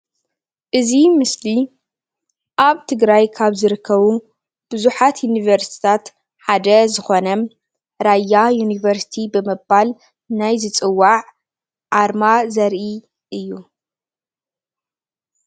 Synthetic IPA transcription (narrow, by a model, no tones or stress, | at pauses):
ʔɨzimɨsli | ʔaβt̪ʰɨɡɾajkʰaβzɨɾɨkʰːɐβu | b̥ɨzuħat̪junivɐɾst̪ʰi̥t̪ʰat̪ | ħad̪ɐzɨxo̞nɐm | ɾajajunivɐɾsi̥t̪ʰibɨmɨbal | najzɨt͡sʼɨwːaʕ | ʕaɾmazɐɾʔi | ʔɨjːu